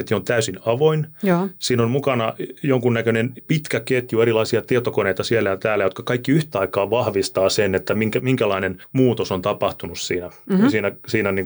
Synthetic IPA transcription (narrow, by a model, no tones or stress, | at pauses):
et̪jont̪æysinɑʋoinjsiːnonmukɑnɑjoŋkunnækønenpit̪kæket̪jueɾilɑisiɑt̪iet̪okoneit̪ɑsielːæjɑt̪æːlːæjot̪kɑkɑikːiyht̪æɑikɑːʋɑhʋist̪ɑːsenet̪ːæmiŋkæmiŋkælɑinenmuːt̪osont̪ɑpɑht̪unussiːnæsiːnæsiːnæniːŋ